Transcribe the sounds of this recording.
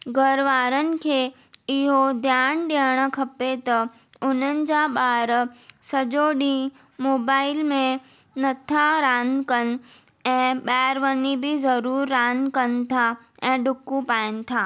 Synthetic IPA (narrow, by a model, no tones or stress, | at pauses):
ɡʱəɾʋaːɾənɪ̆kʰeː | ɪɦod̪ʱjaːnɗeːɽ̃kʰɐpet̪ɐ | ʊnənɪ̆d͡ʑaɓaːɾsɐd͡ʒoːɗĩ | moːbaːɪlmẽ | nɐt̪ʰaɾaːnkən̆ | ɛ̃ːɓɛːɾʋənibʱizɐɾuːɾːaːnkənt̪ʰa | ɛ̃ːɖʊkːũpaːɪnɪ̆t̪ʰaː